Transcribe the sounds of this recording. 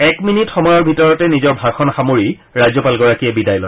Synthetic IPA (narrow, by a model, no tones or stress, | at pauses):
ɛkminitxɔmɔjɔɹbʱitɔɹɔtɛnizɔɹbʱaɹxʰɔnxamoɹi | ɹajzɔpalɡɔɹakijɛbidajlɔj